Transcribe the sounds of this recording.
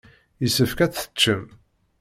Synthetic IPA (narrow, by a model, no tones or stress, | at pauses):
jisəfkæt͡sə̥t͡ʃːəm